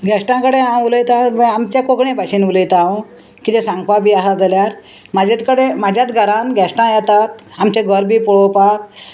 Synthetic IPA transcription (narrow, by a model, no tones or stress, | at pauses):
ɡʱɛʂʈãkəɽeãw̃uləjt̪ãʋəamt͡ɕakokɳẽbʱaɕiːnuləjt̪aã | kit̪ẽsãŋɡpabʱiːasad͡zaljaɾ | mad͡ʑat̪kəɽemad͡ʑʱjat̪ɡʱəɾãnɡʱɛsʈãjɛt̪at̪amt͡ɕẽɡʱəɾbiːpɔɭopat̪